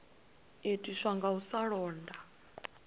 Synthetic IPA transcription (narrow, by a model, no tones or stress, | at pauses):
etʼiʂaŋɡausaɺɔːnda